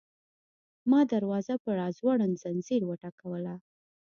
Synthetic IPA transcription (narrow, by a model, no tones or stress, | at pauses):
mɑd̪aɾwɑzapəɽɑzwaɽənzanziɾwəʈɑkawəla